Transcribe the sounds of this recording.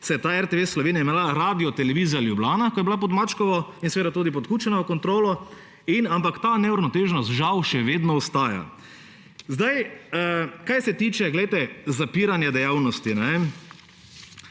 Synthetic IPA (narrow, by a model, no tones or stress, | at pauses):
sɛjɛt̪aːɛɾt̪eʋesːlɔʋeːnijaimalaɾaːd̪ijɔt̪ɛlɛʋiːzijaljublaːnakɔjɛblap̬ɔd̪mat͡ʃkɔʋɔinseɛʋeːd̪at̪uːd̪ipɔt̪kuːt͡ʃɛnaəkɔnt̪ɾoːlɔ | inampakt̪aːnɛuɾnɔt̪eːʒnɔst̪ʒawʃɛʋeːd̪nɔɔst̪aːja̰ | zd̪ajəkajsɛt̪iːt͡ʃɛɡlɛjt̪ɛzapiːɾanjad̪ɛjaːwnɔst̪inɛem